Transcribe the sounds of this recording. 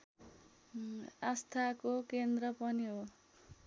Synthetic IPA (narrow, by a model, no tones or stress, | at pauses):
ast̪ʰakokend̪rʌpʌniɦo